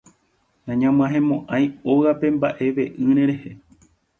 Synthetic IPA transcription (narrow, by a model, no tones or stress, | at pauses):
nãɲãmɨ̃ãɦẽ̞mõʔãj̃o̞ɣape̞mbaʔe̞ʋe̞ʔɨ̃ɾẽ̞ɾe̞he̞